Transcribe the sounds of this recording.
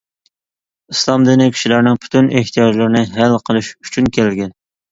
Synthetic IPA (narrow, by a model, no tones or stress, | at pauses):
islˠɑmd̪ɨnɪkʲʰi̥ʃilæɾnɪŋpʰy̥t̪ʰyneht̪ʰijɑd͡ʒlˠɨɾnɪɦælqʰəlˠɪʃyt͡ʃʰynkʲʰɛlɡʲɛn